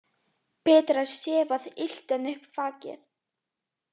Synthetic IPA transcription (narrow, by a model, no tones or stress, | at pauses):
pʰɛːt̪ɾasjɛːvaðɪl̥t̪ɛnʏhpfaːcɛ̰ɾ̥